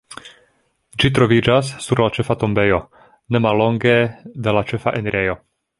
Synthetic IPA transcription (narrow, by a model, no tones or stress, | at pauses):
d͡ʒit̬ɾo̞vid͡ʒas̬ːuɾlat͡ʃe̞fato̞mbe̞jo̞ | ne̞malːo̞ŋɡe̞dalat͡ʃe̞fa̰ʔeneɾejo̞